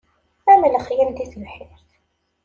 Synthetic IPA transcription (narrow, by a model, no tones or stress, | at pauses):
æmələχjənd̪iθəlħɪɾθ